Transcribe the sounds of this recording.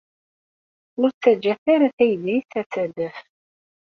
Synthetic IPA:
ʊɾt͡sːæd͡ʒːæθaɾaθæjəðiθæt͡sːædəf

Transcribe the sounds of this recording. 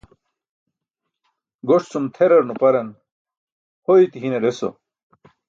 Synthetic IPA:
ɡoʂt͡sumt̪ʰeɾɐɾnupɐɾɐn | hojt̪iɦineɾeso̰

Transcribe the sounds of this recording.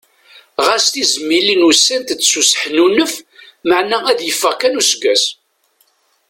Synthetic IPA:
ʁæst̪izəmːilinusːænt̪d̪susə̥ħnunəfməʕnææðjəfːəʁkænusɡæs

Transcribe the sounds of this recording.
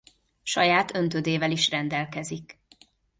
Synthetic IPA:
ʃɒjaːt̪ø̞nt̪ød̪eːvɛliʃrɛnd̪ɛlkɛzik

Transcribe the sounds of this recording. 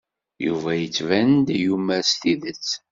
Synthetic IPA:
jṵvæjət͡sːvænd̪jumæɾst̪iðət͡sː

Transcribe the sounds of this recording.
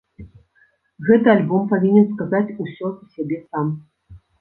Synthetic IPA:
ɣɛt̪ɨalʲbɔmpavʲinʲɛnskazat͡sʲusʲɔusʲabʲɛsam

